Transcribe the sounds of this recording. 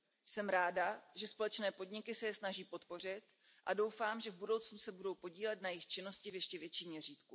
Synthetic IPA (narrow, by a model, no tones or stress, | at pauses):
sɛmɾaːdaʒɛspo̞lɛt͡ʃnɛːpo̞dɲɪkɪsɛjɛsnaʒiːpo̞t̪po̞r̝ɪt̪ | ʔado̞wfaːmʒɛvbudo̞wt͡snusɛbudo̞wpo̞ɟiːlɛt̪najɪxt͡ʃɪno̞scɪvjɛʃcɛvjɛt͡ʃiːmɲɛr̝iːt̪ku